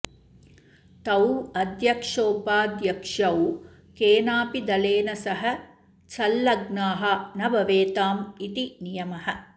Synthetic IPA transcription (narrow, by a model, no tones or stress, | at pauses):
t̪ɐwɐd̪jɐkʂoːpaːd̪jɐkʂɐw | keːnaːpid̪ɐleːnɐsɐɦɐ̆ | t͡ʃɐlːɐɡnaːɦɐnɐbɐʋeːt̪aːmit̪inijɐmɐɦɐ̆